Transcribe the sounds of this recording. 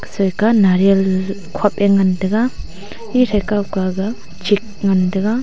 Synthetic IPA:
ksɔjkanaɾal | kʰapeŋandɐɡa | iɾajkawkaɡa | d͡ʒik̚ŋandɐɡa

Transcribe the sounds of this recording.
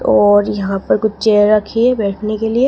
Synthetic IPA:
ɔːɾjɐɦɦãpɐɾkʊt͡ʃt͡ʃeɾːɐkʰiɛbɛːʈʰnekelie

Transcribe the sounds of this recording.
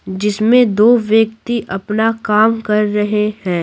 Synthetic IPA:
d͡ʒɪsmẽd̪oːʋjəkt̪iʔɐpnakaːmkɐɾːɐɦehɛ̃ː

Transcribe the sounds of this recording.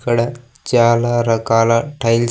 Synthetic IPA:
kɐɽɐ | t͡ʃaːlaɾɐkaːlaʈʰɐjl

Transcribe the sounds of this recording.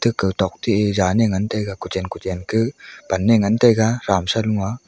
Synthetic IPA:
tɯkːɯwtɔk̚tiezaneŋantajɡakut͡ʃenkutenkʰɯb̥anːeŋantajɡaɾamsaluŋa

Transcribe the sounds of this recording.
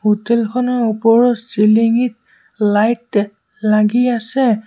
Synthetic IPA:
hotɛlkʰɔnɔupɔɹɔtsiliŋit̚ | lajt | laɡiasɛ

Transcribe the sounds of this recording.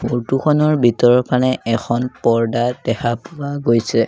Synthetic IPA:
oɹtukʰɔnɔɹbitɔɹɔpanɛʔɛkʰɔnpɔɹdad̥ɛxʰapuwaɡojsɛ

